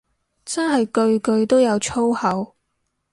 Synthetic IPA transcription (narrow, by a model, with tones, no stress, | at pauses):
t͡sɐ˥nɦɐ˨jkɵ˧ɥkɵ˧ɥt̪o˥wjɐ˨˧wt͡ʃʰo˥whɐ˨˥w